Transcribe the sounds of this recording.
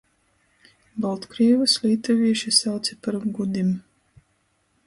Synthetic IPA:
balˠt̪kɾivɨslʲiːt̪avʲiɛʃisawt̪sɛpaɾɡud̪im

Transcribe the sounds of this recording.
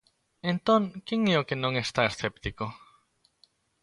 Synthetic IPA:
ẽnt̪õŋkeŋeokenõŋest̪aesθept̪iko

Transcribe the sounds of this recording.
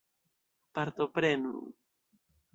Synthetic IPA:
paɾt̪opɾenṵ

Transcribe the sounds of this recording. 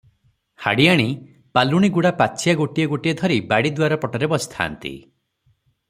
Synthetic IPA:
ha̰ɽiaɽ̃i | paluɽ̃iɡuɽapat͡ʃʰijaɡoʈijɔɡoʈijɔd̪ʱɔɾibaɽid̪waɾɔpɔʈɔɾebɔst̪ʰa̰ːnt̪ḭ

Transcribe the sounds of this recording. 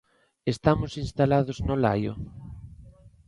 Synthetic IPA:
est̪amʊsinst̪alaðʊznola̰jo̰

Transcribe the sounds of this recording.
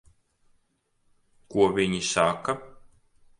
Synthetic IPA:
kuɔvʲiɲisaka

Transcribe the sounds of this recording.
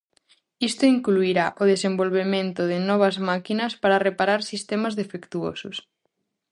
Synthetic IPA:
ist̪oiŋkluiɾaʔoð̞esembolβ̞emẽnt̪ʊðɪnɔβ̞ɐzmakinɐspaɾɐrepaɾaɾsist̪emɐzðefekt̪uo̰sʊs

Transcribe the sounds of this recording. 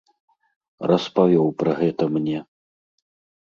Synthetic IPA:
rɐspavʲɔwpɾɐɣɛt̪ɐmnʲɛ

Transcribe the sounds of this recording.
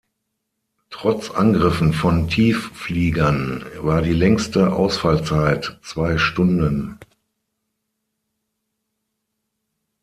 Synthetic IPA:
tʁ̥ɔt͡sʔa̰nɡʁɪfn̩fɔntʰiːffliːɡɐnvaːɐdiːlɛŋstəʔa̰ʊsfalt͡saɪtt͡sv̥aɪʃtʊndən

